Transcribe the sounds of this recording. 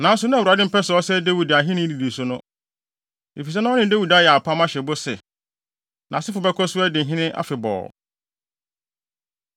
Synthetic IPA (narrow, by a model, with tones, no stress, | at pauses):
nã˨n̩˦s̬ʊ˨˦nʊ̃˦˨a˨dɪ̃˦m̩˦pɛ˦sʊ˨ɔ˦sɛ˦de˦wi˨da˨ɦɪ̃˦nɪ̃˦˨i˨di˨sʊ˦nʊ̃˦ | e˨fi˨s̬ɛ˦nã˦ɔ˦nɪ̃˨de˦wi˨da˦jɛ˨a˨pʰa˦mã˦ɕɛ˨bʊ˦sɛ˨ | nã̰˨sɪ˦fʊ˨bɛ˦kʰɔ˦sʊ˦ɛ˦dɪ̃˨ɦɪ̃˦nɪ̃˦ʔa̰˦fɪ˨bɔ̰ː˨